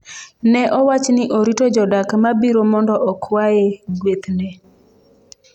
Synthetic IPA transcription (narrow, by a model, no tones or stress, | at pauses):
nɛʔɔwat͡ʃnɪʔoɾitod͡ʒɔdakmabiɾomɔndɔʔɔkʰwajeɡwet̪nɛ